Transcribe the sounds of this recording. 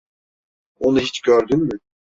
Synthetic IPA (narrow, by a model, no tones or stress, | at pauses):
onuɦit͡ʃɟøɾd̪ynmʏ